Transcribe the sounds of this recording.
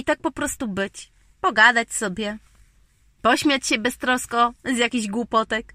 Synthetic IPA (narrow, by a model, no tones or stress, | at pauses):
it̪ak̚pɔpɾɔst̪ubɘt͡ɕ | pɔɡad̪at͡ɕsɔbʲjɛ | pɔɕmʲjat͡ɕɕɛbɛst̪ɾɔskɔzjakʲiʑɡwupɔt̪ɛk